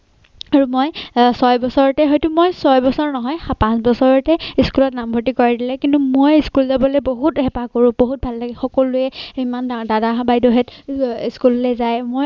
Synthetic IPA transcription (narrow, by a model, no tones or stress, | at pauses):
aɹumojsɔjbɔsɔɹɔtɛɦɔjtʊmojsɔjbɔsɔɹnɔɦɔjapãnsbɔsɔɹɔtɛiskulɔtnambʱotikɔɹadilɛkintumojiskulzabɔlojboɦuthɛpakoɹʊ̃boɦut̚bʱalːaɡɛxɔkɔlʊɛimandadabajdɔɦɛtiskullɛzajmoj